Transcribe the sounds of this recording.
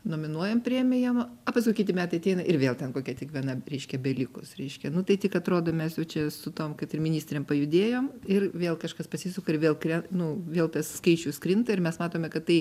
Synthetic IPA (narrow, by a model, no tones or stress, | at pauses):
noːmʲɪnuɔjɛmpʲrʲeɛmʲɪjɛmɐpɐskʊɪkʲɪt̪ʲɪmʲæːt̪ɐɪɐt̪ʲɛɪnɐʔɪrʋʲeːlˠtʲɛnkoːkʲɛtʲikʋʲiɛnɐɾʲɛɪʃʲkʲɛbʲɛlʲɪkʊsɾʲɛɪʃʲkʲɛnʊt̪ɐɪtʲɪkɐt̪ɾoːd̪oːmʲɛsjɛʊt͡ʃʲɛsʊt̪oːmkɐt̪ɪrmʲɪnʲiːsʲt̪ʲɾʲeːmpɐjʊd̪ʲeːjoːmɪrʋʲeːlˠkɐʃkɐspɐsʲisʲʊkoɪɾʋʲeːlˠkɾʲɛnʊʋʲeːlˠt̪ɐsskɐɪt͡ʃʲuːskɾʲɪnt̪ɐɪɾmʲɛsmɑːt̪oːmʲɛkɐt̪t̪ɐɪ